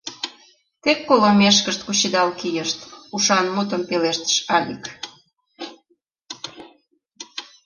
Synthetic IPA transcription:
t̪ekːolomeʃ̬kəʃt̪kut͡ɕid̪ɑlkijəʃt̪uʃɑnmut̪ə̆mpeleʃt̪ə̥ʃɑlʲik

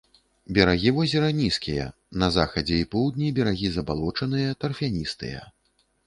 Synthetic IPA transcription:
bʲɛɾaɣʲivɔzʲɛɾɐnʲiskʲijɐ̰ | nɐzaxɐd͡zʲɛipɔwd̪̚nʲibʲɛɾaɣʲizɐbalˠɔt͡ʂɐnɨjɐt̪ɐrfʲanʲist̪ɨ̰jɐ̰

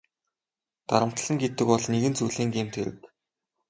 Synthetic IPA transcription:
t̪aɾə̆m̥t̪ɮə̆ŋɡet̪ɘ̆kpɔɮneɣɘ̆nt͡suɮeːŋɡemt̪ʰeɾɘ̰̆k

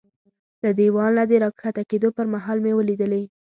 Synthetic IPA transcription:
lad̪ewɑlnad̪əɾɑkxat̪aked̪opəɾmaɦɑlmewəlid̪əle

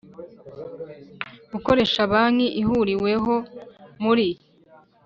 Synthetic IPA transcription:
uko̞ɾe̞ʃaβaŋiʔihuɾiwe̞ɦo̞muɾi

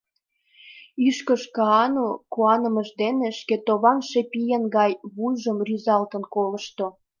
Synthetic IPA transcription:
yʃkəʃkɑɑnokuɑnəməʒd̪eneʃket̪oβɑnʃepijenɡɑjβulʒəmryzɑlt̪ənkoləʃt̪o

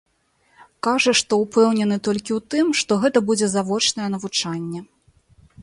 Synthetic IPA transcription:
kaʐɐʂt̪ɔupɛwnʲɛnɨt̪ɔlʲkʲiwt̪ɨmʂt̪ɔɣɛt̪ɐbud͡zʲɛzavɔt͡ʂnɐjɛn̪ɐvut͡ʂanʲːɛ

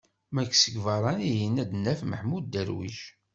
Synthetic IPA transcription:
mækːsəɡvɑɾˤɑnijinæd̪nːæfməħmudd̪əɾwḭʒ

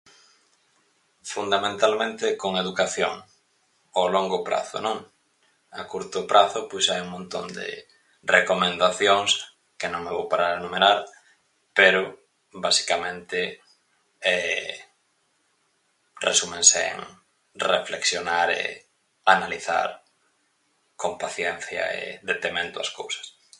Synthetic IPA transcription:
fund̪amẽnt̪almẽnt̪ɪkoŋeðukaθjo̰ŋ | oloŋɡopɾa̰θʊ̰nõŋ | akuɾt̪ʊpɾʔaθʊpojsajuŋmõnt̪o̰nd̪ḛ | rekomẽnd̪aθjoŋs | kenõŋmeβowpaɾaɾenumeɾaɾ | peɾʊ | basi̥kamẽnt̪ɪ | ɛ | rḛsumẽŋsḛŋ | refleksjonaɾḛ | analiθa̰ɾ | kompaθjɛn̟θjɐ̰ḛðet̪emẽnt̪ʊa̰skowsɐ̥s

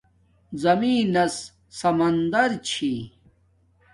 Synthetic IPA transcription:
zɐmiːnɐs | sɐmɐnd̪ɐɾt͡ɕʰi

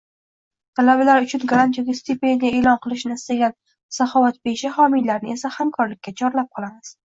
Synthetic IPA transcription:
t̪ʰalabalaɾʊt͡ʃʰʊnɡaɾˠant̪ʰjoɡʲast̪epend̪ijae̞lɒnqʰɨlˠɪʃnɪɪst̪aɡʲan | safɒvat̪̚beʃahɒmijlaɾnɪe̞sahamkʰɒɾlɪkʲːat͡ʃʰɒɾlap̚qʰɒlˠamɪz̥

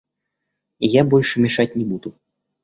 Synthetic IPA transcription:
jabɔlʲʂmʲɛʂat̚ʲnʲɛbud̪u

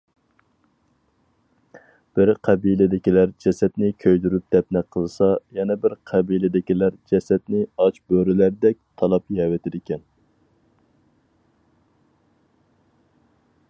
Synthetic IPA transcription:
b̥ɪɾqʰæbilɪd̪ɪkʲilæɾd͡ʒɛsɛt̪nɪkʲʰøjd̪yɾyp̚d̪̥ɛp̚nɛqʰəlˠɨsɑjɛnɛbɪɾqʰɛbilɪd̪ɪkʲilæɾd͡ʒɛsɛt̪nɪɑt͡ʃbøɾɪlæɾd̪ɛk̚ʲt̪ʰɑlˠɑpjɛwɪt̪ʰɪd̪ɪkʲɛn

